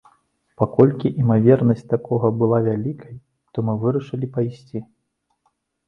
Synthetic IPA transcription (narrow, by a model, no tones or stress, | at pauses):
pakɔlʲkʲiʔimavʲɛrnɐsʲt͡sʲt̪akɔɣɐbɨlˠavʲalʲikʰɐj | t̪ɔmɨvɨɾɐʂɨlʲipajsʲt͡sʲi